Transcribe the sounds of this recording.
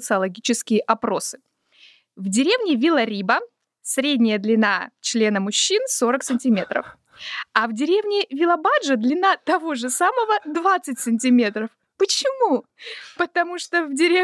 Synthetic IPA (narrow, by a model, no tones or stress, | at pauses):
t̪sɨɐlˠɐɡʲit͡ɕɪskʲɪjəʔɐpɾo̞sɨ̥ | vdʲɪɾʲe̞vnʲɪvʲɪlˠɐɾʲibə | sɾʲedʲnʲɪjəd̪lʲɪnat͡ɕlʲe̞nəmʊɕːinso̞ɾəksɨnʲtʲɪmʲe̞t̪ɾə̰f | ɐvdʲɪɾʲe̞vnʲɪvʲɪlˠɐbaʐəd̪lʲɪnat̪ɐvo̞ʐɨsaməvəd̪vat̪sɨtʲsɨnʲt̬ʲɪmʲe̞t̪ɾəf | pət͡ɕɪmu | pət̪ɐmuʂt̪ovdʲɪɾʲe